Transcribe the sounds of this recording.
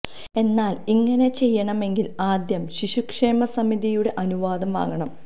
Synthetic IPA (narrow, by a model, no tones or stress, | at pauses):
e̞nːaːliŋːɐne̞t͡ɕe̞jːɐɳɐme̞ŋɡilaːd̪jɐmɕiɕukʂeːmɐsɐmiðijuɽe̞ʔɐnuʋaːd̪ɐma̰ːɣɐɳɐm